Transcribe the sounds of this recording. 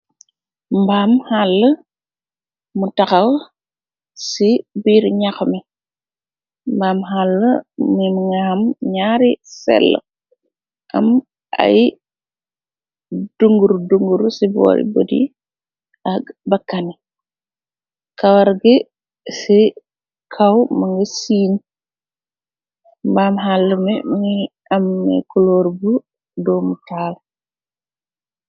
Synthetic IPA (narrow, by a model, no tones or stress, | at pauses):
mbaːmhalːə | mutɐxɐw | sibiːɾɲaxɐmi | mbaːmɦalːəminŋaɐmɲaːɾisɛ̰lːə̰ | ʔɐ̰m | ɐ̰j | d̥uŋɡuɾduŋɡuɾusibɔ̰ɾḭbo̰dḭ | abakːanɛ | kawaɾɡɛ | sɛ | kʰawmaŋɡɛsiːni | mbamɦalːumɛmɛ | ʔamːɛ̰kɔloɾbu | domutaːl